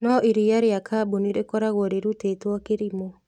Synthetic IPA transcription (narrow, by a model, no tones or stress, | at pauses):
nɔʔiɾiaɾeakʰabuniɾekɔɾaɣoɔɾeɾutetwɔkeɾimo